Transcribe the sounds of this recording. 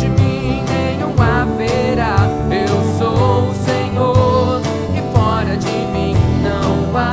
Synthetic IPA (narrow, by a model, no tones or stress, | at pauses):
ɪmĩnẽjũw̃aveɾa | ewsosẽɲoɾ | ɪfɔɾɐd͡ʒɪmĩnɐ̃w̃a